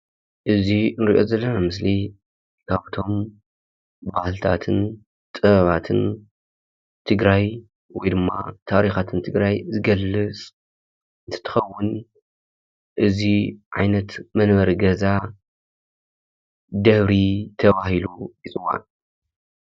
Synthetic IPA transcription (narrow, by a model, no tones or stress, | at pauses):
ʔɨzinɨɾiʔo̞̰zɐlːɐnamɨsli | kʰaβt̪ʰo̞m | baħlt̪ʰa̰t̪ʰɨn | t̪ʼɨβɐβat̪ʰɨn | t̪ʰɨɡɾaj | wɔjd̪ɨmːa̰t̪ʰaɾixat̪ʰɨnt̪ʰɨɡɾajzɨɡɐlːɨt͡sʼ | ɨnt̪ʰɐ̥t̪ʰɨ̥xɐwːʊn | ʔɨziʕajnɐt̪mɐnbɐɾiɡɐza | d̪ɐβɾit̪ʰɐβahilujit͡sʼɨwːa̰n